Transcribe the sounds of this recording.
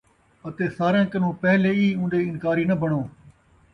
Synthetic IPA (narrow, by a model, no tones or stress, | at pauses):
ət̪eːsaːɾãːkənõːpəɦleːiːũːnɗeːɪnkaːɾiːnəbʱəɳoː